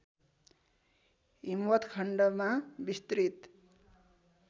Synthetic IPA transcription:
ɦimwʌt̪kʰʌɳɖʌmabist̪rit̪

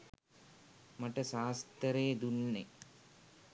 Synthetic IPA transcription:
maʈəsaːst̪əɾeːd̪unːe

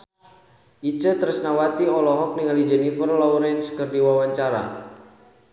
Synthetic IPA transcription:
ʔit͡ʃət̪əɾəsnawat̪iɔlɔɦɔk̚niŋalid͡ʒɛnifərlɔwɾɛnskərdiwawaɲt͡ʃaɾa̰

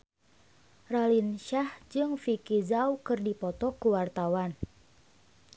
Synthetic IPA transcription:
ralinʃahd͡ʒɨŋfikizawkɨrdipɔt̪ɔkuwart̪awan

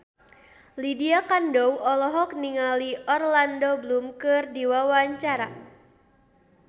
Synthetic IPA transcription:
lidiakandɔwʔɔlɔɦɔk̚niŋaliɔrlandoblumkɨrdiwawaɲt͡ʃaɾa

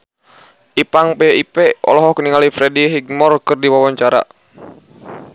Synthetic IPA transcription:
ʔipaŋpeipɛɔ̰lɔɦɔkəniŋalifɾɛdiɦiɡ̚mɔrkɨrdiwawaɲt͡ʃaɾa̰

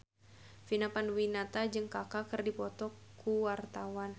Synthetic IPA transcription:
finapanwinat̪ad͡ʒɨŋkakakɨrdipɔt̪ɔkuwart̪awan

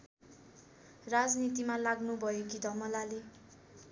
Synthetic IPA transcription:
rad͡znit̪imalaɡnubʱʌjekid̪ʱʌmʌlale

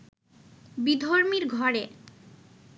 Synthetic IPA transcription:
bid̪ʱoɾmiɾɡʱɔɾe

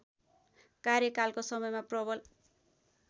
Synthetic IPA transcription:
karjʌkalkosʌmʌjmaprʌbʌl

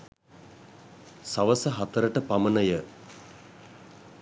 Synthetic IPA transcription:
saʋəsəɦat̪əɾəʈəpamənəjə

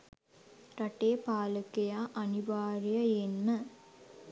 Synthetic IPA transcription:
ɾaʈeːpaːləkejaːʔaniʋaːɾijəenːə

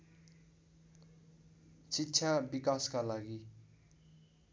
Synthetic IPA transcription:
sitːt͡sʰabikaskalaɡi

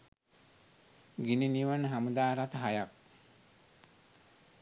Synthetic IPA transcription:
ɡininiʋanːəɦamud̪aːɾat̪əɦajak̚

